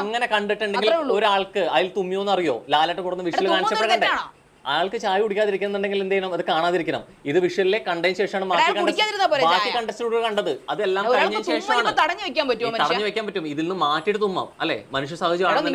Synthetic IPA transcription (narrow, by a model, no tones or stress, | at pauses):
ŋːɐne̞kɐɳɖiʈːɨɳɖeŋɡiluːo̞ɾuaːɭkɨɐðilt̪umːijonːɐrijo̞̰ːlaːlɐʈːɐkuɽɐnːɨʋiʂɐɐlkaːnt͡ɕɐpːɽekɐɳɖɐ | aːɭkɨt͡ɕaːjiuɽikʲːaːðiɾikʲːunnːɨɳɖeŋɡilend̪ejinɐmɐðɨkaːɳaːðiɾikʲːɐnɐ̰m | iðɨʋiʂjɐlilekɐɳɖɐjmɕeːʂɐmaːɳɨmaɐːkːɐuɽikʲːaːðiɾinːaːpoːʋaːkːikɐɳɖɐsiɾuɽokɐɳɖɐðɨɐðɨelːaːmɐɽɐɲːɐmɕeːʂɐmaːɳɨt̪ɐɽɐɲːɨʋekʲːaːnpɐtːut̪ɐɽɐɲːɨʋekʲːaːmpɐtːumiðilnːɨmːaːtːiʈːɨt̪umːɐ̰mɐ̰lːe̞̰ːmɐnuʂ̬jɐsaːhɐd͡ʑjiʋaːɐnː